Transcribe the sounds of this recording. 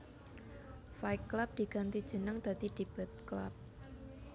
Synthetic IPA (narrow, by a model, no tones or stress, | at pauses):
fajkːlap̚d̪̥i̤ɡ̥ant̪id̥ʒ̥ə̤nəŋd̪̥a̤d̪id̪̥i̤b̥ə̤t̪̚kla̰p̚